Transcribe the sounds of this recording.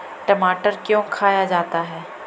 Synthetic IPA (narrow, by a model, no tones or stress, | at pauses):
ʈɐmaːʈəɾkjõkʰaːjad͡ʒaːt̪aɦɛː